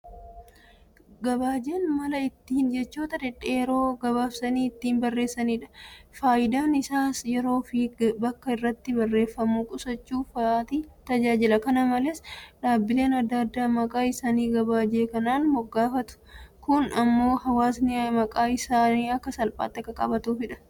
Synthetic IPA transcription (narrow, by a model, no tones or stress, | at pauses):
ɡɐbaːd͡ʒe̞ːnmɐlɐɪt̪ːiːnd͡ʒɛt͡ʃːoːt̪ɐd̪ɛᶑeːjɛɾo̞ːɡɐβaːfsɐniːɪt̪ːiːnbɐrːe̞ːsːɐniːᶑɐ̥faːjɪd̪aːnɪsaːsjɛɾo̞ːfɪbɐkːɐɪrːɐt̪ːɪbɐrːe̞ːfːɐmuːkʼʊsɐt͡ʃːuːfːt̪it̪ɐd͡ʒaːd͡ʒɪlɐkɐnɐmɐlɛsᶑaːbːɪle̞ːnɐd̪ːad̪ːaːmɐkʼaːɪsaːniːɡɐbaːd͡ʒe̞ːkɐnaːnmɔɡːaːfɐt̪ʊ̥kʊnɐmːo̞ːhɐwaːsnɪamɐkʼaːɪsaːniːɐkːɐsɐlpʼa̰ːt̪ːɛkːɐkʼɐbɐt̪uːfɪᶑɐ̥